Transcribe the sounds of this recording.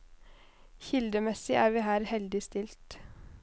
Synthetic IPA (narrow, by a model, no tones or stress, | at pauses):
çɪld̪əmɛsɪʔæːɾʋiːhæːɾhɛld̪ɪst̪ɪlt̪